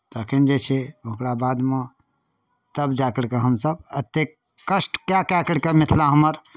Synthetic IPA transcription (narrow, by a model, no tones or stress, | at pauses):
t̪akind͡ʒet͡ʃʰeʊ̃kɽabaːd̪mã | t̪əbd͡ʒaːkəɽkeɦəmsəb̚ət̪ːek | kːəsʈkjakjakəɽkemɪt̪ʰlaɦəməɾ